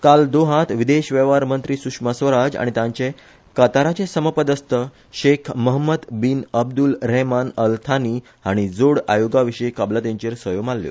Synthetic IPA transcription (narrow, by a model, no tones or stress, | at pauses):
kald̪oɦãt̪ʋid̪eɕʋəʋaɾmənt̪ɾiːsukʂməsʋəɾad͡za̰ɽ̃it̪ãɲt͡ɕe | kət̪aɾat͡ɕẽsəməpəd̪əst̪ə | ɕekʰməɦməd̪binəbd̪ulɾɛɦmanəlt̪ʰaniː | ɦaɽ̃id͡zoɽa̰joɡaʋiɕəjkablət̪ẽɲt͡ɕeɾsʋəjomalːjo̰